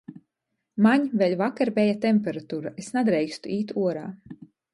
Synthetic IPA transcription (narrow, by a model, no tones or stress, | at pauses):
maɲvɛlʲvakaɾbʲɛjat̪ɛmʲpʲɛɾat̪uːɾaʔesnad̪ɾɛjkst̪uiːt̪uɔɾa̰ː